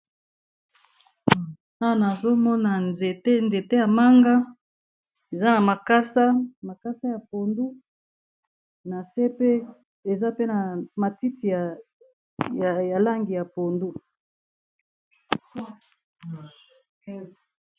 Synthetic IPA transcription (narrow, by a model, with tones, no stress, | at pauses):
a˦˨na˨zo˦mɔ˦na˨ne˨te˦nze˨te˦ja˨ma˦ŋɡa˦ | e˨za˦na˨ma˨ka˦sa˦ma˨ka˦sa˦ja˨po˨ndu˦ | na˨se˦pe˦ | e˨za˦pe˦na˨ma˨ti˦ti˨ | ja˨la˦ŋɡi˨ja˨po˨ndu˦